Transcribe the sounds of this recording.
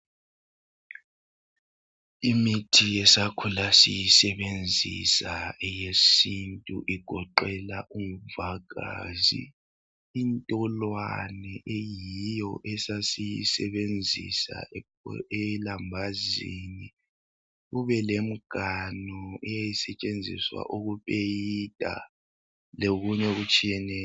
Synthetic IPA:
imitʰijɛsakʰulasijisɛβend͡zʱḭsaɛjesintʼṵʔiɡ̥ʱɔǃɛlaʔumuvaɣa̰ːzḭ | intʼɔlwanɛʔejiijɔʔɛsasijisɛβend͡zʱḭsa̰ | ɛlambʱazini | ɣuβɛlem̩ɡ̥ʱanɔɛjajisɛt͡ʃʼend͡zʱḭswa̰ʔuɣupʼejid̥ʱʼa̰ | loɣuɲɛɣut͡ʃʼijɛnɛ

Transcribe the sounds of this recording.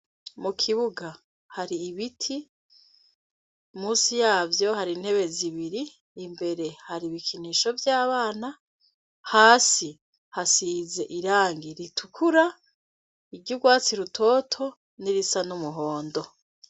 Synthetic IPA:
mukʰiβuɡa | haɾiːβitʰi | muːsijaːvjo̞ɦaɾin̥he̞βe̞ziβiɾiː | mbe̞ɾe̞haɾiβikʰiniʃo̞vjaːβaːna | haːsi | hasize̞ʔiɾaːŋɡiɾitʰukʰuɾa | iɾɟuɡwaːt͡siɾutʰo̞ːtʰo̞ | niɾisanumuɦo̞ːndo̞

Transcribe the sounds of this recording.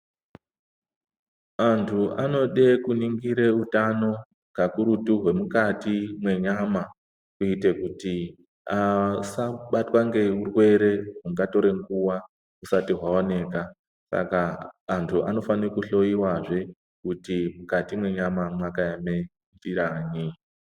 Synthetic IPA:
antʰuʔano̞ɗekuniŋɡiɾe̞utano̞ | ɡakuɾutuɦwe̞mukatimwe̞ɲama | kuite̞kuti | asaɓatwaŋɡe̞urwe̞ɾe̞ɦuŋɡato̞ɾe̞ŋɡuwa | usatiɦwaone̞ːka | sa̰kaːntʰuʔa̰no̞fanekuɬo̞jiwaʐe̞ | kutimukatimwe̞ɲamamwakajame | ndiɾaːni

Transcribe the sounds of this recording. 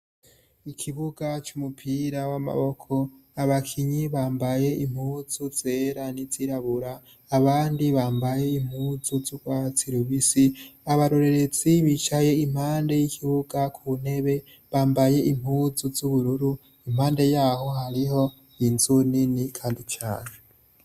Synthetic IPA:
ikʰiβuɡat͡ʃumupʰiɾawama̰βo̞kʰo̞ | aβakʰiɲiβaːmbaje̞ʔimhuːzuz̥e̞ːɾaniziɾaβuɾaː | βaːndiβaːmbajeim̥huːzuzuɡwat͡siɾuβisiaβaɾoɾe̞ɾe̞d͡z̥iβit͡ʃaje̞im̥haːnde̞jikʰiβuɡ̥akʰuune̞βe̞ | βaːmbaje̞ʔim̥huːzuzuβuɾuɾu | imhaːnde̞jaːho̞haɾiho̞ | inzuninikʰaːndit͡ʃa̰ːne

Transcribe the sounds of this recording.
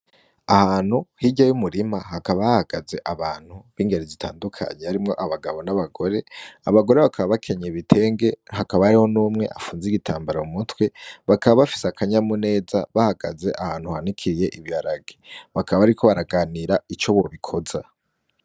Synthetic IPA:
ahaːn̥huhiɟajumuɾimaɦakaβahahaɡaze̞ʔaβaːn̥huβiːŋɡe̞ɾezitʰa̰ːndukʰa̰ɲehaɾimŋo̞̰ʔaβaɡaβo̞naβaɡo̞ɾe̞aβaɡo̞ɾe̞βakʰaβaβakʰe̞ɲeβitʰe̞ːŋɡe̞hakaβaɾiho̞nuːmŋe̞ʔafuːnziɡitʰaːmbaɾaumutwe̞βakʰaβaβafi̥seakʰaɲamune̞ːza̰βahaɡaze̞ʔahaːn̥huhanikʰiɾije̞ʔiβjaɾaɡeβakʰaβaβaɾikʰo̞βaɾaɡaːniɾait͡ʃo̞βo̞βikʰo̞za

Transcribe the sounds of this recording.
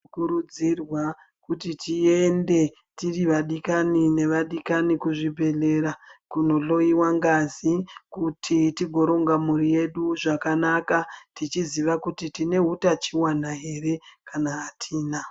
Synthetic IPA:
kuɾud͡zirwa | kutitie̞nde̞ | tiriʋaɗikanine̞ʋaɗikanikuʐibʱe̞ɮe̞ɾakuno̞ɬo̞iwaŋɡazikutʰitiɡʱo̞ɾo̞ŋɡamurije̞ɗuʐakanakatit͡ʃiziʋakutitine̞ɦutat͡ʃiwanaɦe̞re̞kanaːtʰiːna

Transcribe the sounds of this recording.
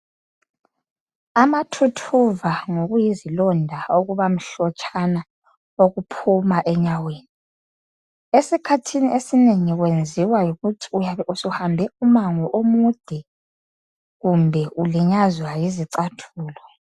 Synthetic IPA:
amatʰutʰuvaŋoɣujizilɔndʱaoɣuβam̩ɬɔt͡ʃʼʰana | oɣupʰumaʔɛɲaweːni | esikʰatʰiniʔesineŋiɣwend͡zʱiwajuɣutʰi̥uaɛusuhambʱɛumaŋɔʔomud̥ʱɛ | ɣumbʱɛuliɲazwajiziǀatʰuːlɔ

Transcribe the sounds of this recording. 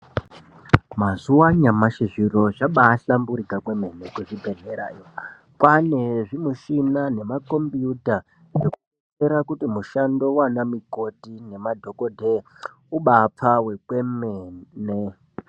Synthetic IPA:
mazuwaɲamaʃiʐiro̞ʐaɓaːɬambuɾikakweme̞nekuʐibʱe̞ɮeɾa̰jo | kwaneʐimuʃinane̞mako̞mbjuta | eku | eɾakutimuʃando̞wanamiɡʱo̞dʱine̞madʱo̞kodʱe | uɓap͡fawe̞kwemeːne

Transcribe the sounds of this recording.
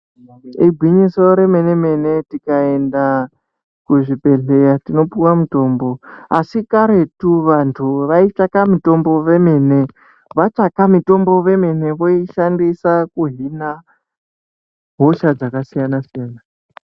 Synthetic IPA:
iɡʱwiɲiso̞ɾe̞me̞ne̞me̞netikae̞nda | kuʐipe̞ɮe̞jatino̞puwamuto̞ːmbo̞asikaɾe̞tuʋantʰuʋait͡ʃakamito̞mbo̞ʋe̞mene̞ | ʋat͡ʃakamito̞mbo̞ʋe̞me̞ne̞ʋo̞iʃandisakuɦina | ɦo̞ʃad͡zakasijanasijaːna

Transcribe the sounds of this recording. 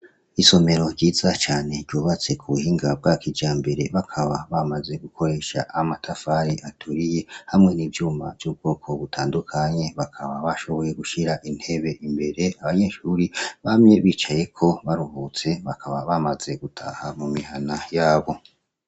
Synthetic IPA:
iso̞me̞ɾo̞ɾɟiːzat͡ʃaːne̞ɾɟoːβat͡se̞kʰuβuhiːŋɡab̚ɡakʰid͡ʒaːmbe̞ɾe̞βakʰaβaβamaze̞ɡukʰo̞ɾe̞ːʃa̰ʔamatʰafaɾiʔatʰuɾije̞hamŋe̞nivjuːma̰vjub̚ɡ̥o̞ːkʰo̞βutʰaːndukʰaɲe̞βakʰaβaβaʃo̞βo̞je̞ɡuʃiɾaʔin̥he̞βe̞ʔimbe̞ɾe̞aβaɲe̞ʃuɾiβamɲe̞βiːt͡ʃaje̞kʰo̞βaɾuvut͡se̞βakʰaβaβamaze̞ɡutʰa̰hamumihanajaːβo̞

